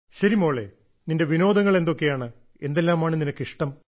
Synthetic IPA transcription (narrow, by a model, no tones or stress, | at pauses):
ɕɐɾimo̞ːɭḛ | ninde̞ʋino̞ːd̪ɐŋːɐɭe̞nd̪o̞kːe̞jaːɳɨ | e̞̰nd̪elːaːmaːɳɨninɐkːiʂʈɐm